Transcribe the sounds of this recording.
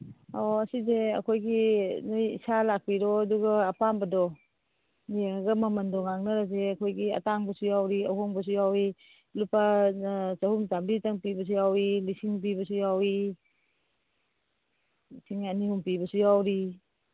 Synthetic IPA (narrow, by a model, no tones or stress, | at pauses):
ɔɐsizeɐ̰kʰojɡinujḭsalak̚piɾɔɐduɡaːpambɐdɔ | nijaŋaɡɐmamɐndɔŋaŋnɐɾazeɐkʰojɡiɐ̰taŋbɐsujawɾiawɦɔŋbɐs̬ujawi | lupa | zahumzambitaŋpibɐs̬ujawilisiŋp̬ibɐsujawi | sʰiŋanihumpibɐsujawɾi